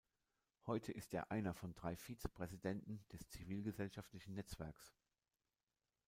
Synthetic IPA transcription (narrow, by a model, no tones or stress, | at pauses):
hɔʏtʰəʔɪsteːɐʔaɪnɐfɔndʁaɪfiːt͡sə̥pʁ̥ɛzidɛntn̩d̥ɛst͡siviːlɡəzɛlʃaftlɪçn̩nɛt͡sv̥ɛɐks